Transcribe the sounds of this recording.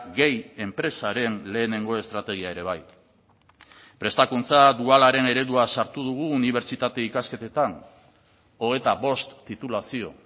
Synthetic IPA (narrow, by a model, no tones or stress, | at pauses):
ɣe̞je̞mpɾe̞saɾe̞nle̞ːne̞ŋɡo̞e̞st̪ɾat̪e̞ɣ̞iae̞ɾe̞β̞aj | pɾe̞st̪akunt͡sad̪ualaɾe̞ne̞ɾe̞ðuasaɾt̪uð̞uɣ̞uːniβ̞e̞ɾt͡ʃit̪at̪e̞ikaske̞t̪e̞t̪an | o̞ɣ̞e̞t̪aβo̞st̪ːit̪ulasio̰